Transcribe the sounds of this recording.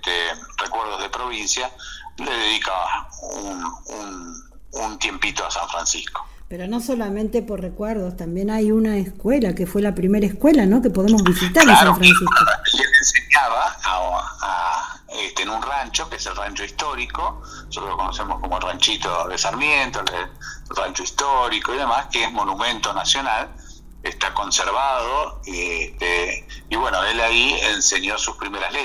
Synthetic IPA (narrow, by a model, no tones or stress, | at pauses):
t̪erekweɾð̞oɦðepɾoβinsjaleðeðikaunun | unt̪je̞mpit̪oasaɱfɾansihko̥ | peɾono̞solamẽnt̪eporrekweɾðost̪ambjenajunaeskwelakefwelapɾimeɾaehkwelano̞kepoðemozβisit̪aɾlaaofɾansioelenseɲaβa | a | est̪enunrant͡ʃokeeselrant͡ʃoist̪oɾiko | nsot̪ɾolokonosemoskomoelrant͡ʃit̪oðesaɾmjent̪oerant͡ʃoist̪oɾikoiðemaskeezmo̞numẽ̞nt̪o̞nasjo̞nal | est̪ako̞nseɾβaðoiest̪eiβwe̞noelaienseɲjosuspɾimeɾa̰le